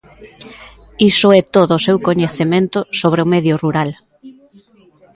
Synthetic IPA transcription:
isʊɛt̪oðʊːsewkoɲeθemẽnt̪ʊsoβ̞ɾeomeðjoruɾal

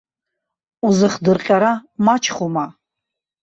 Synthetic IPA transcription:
uzɨχdɨrqʲʼaɾamat͡ʃʰχuma

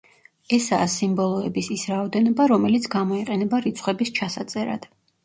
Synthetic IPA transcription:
ɛsaːsimbɔlˠɔɛbisisɾaɔd̪ɛnɔbaɾɔmɛlit̪sʰɡamɔiqʼɛnɛbaɾit̪sʰχwɛbist͡ʃʰasat̪sʼɛɾa̰d̪̥

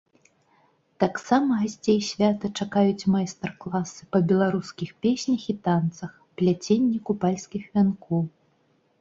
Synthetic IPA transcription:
t̪aksamɐɣasʲt͡sʲejsʲvʲat̪ɐt͡ʂakajut͡sʲmajst̪ɛrklˠasɨpɐbʲɛlˠaɾuskʲixpʲesʲnʲɐxit̪ant̪sɐx | pʲlʲat͡sʲenʲːikupalʲskʲixvʲankɔw

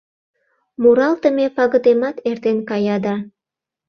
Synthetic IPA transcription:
muɾɑlt̪əmepɑɣə̆d̪emɑt̪ert̪enkɑjɑd̪ɑ

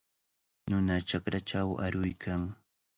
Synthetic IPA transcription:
nʊnat͡ʃakɾaʈ͡ʂawa̰ɾʊjkʰaŋ

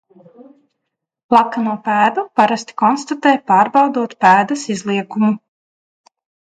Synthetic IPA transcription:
lˠakanuːpæːd̪upaɾast̪i̥kɔnst̪at̪ɛːjpɑːɾbɑwd̪uɔt̪pæːd̪ɐsizlˠiɛkumu

